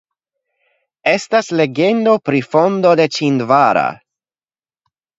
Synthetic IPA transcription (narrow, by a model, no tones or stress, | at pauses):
e̞stasle̞ɡe̞nd̪o̞pɾifo̞nd̪o̞d̪e̞t͡ʃind̪vaɾa̰